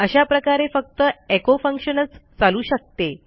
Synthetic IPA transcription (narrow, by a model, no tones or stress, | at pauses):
əɕapɾəkaɾefək̚t̪əekofə̃ŋkɕənət͡st͡saluːɕək̚t̪e